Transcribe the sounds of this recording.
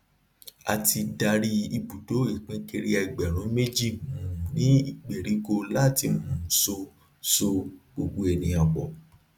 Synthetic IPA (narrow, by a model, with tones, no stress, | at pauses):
a̰˧tʰi˧da˧ɾi˦i˧bu˨do˨˦i˦˨k͡pẽ˦ke˧ɾi˦a˧i˨ɡ͡bɛ˨ɾ̃ũ˨˦me˦d͡ʒi˦˨ũ˨nĩ˨˦i˦˨ɡ͡be˨ɾi˨˦ko˧la˦˨ti˧mũ˨˦so˧ | so˧ɡ͡bo˧ɡ͡bo˧ɛ˨nĩ˧a˨ɡ͡bɔ˨